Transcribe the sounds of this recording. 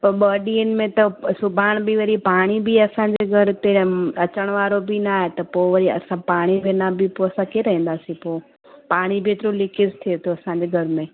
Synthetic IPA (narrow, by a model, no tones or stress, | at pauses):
pɐɾɓəːɗiənɪ̆mẽt̪ɐsʊbʱaːɽ̃bʱiʋɐɾipaːɽ̃ibʱiɐsãːɲd͡ʑeːɡʱɐɾt̪eɐt͡ɕəɽ̃ʋaːɾobʱinaːɦet̪ɐpoːʋɐɾiɐ̰sãpaːɽ̃ibʱeːnabʱipoɐsãkeːɾɐɦĩːn̆d̪aːsĩpoː | paːɽ̃ibʱeːt̪ɪɾolɪkɪzt̪ʰiet̪ʰoɐsãːɲd͡ʑeːɡʱɐɾmẽ